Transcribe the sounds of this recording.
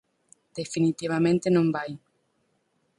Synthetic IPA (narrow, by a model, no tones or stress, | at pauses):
d̪̥efinit̪iβ̞amẽnt̪enõmbaj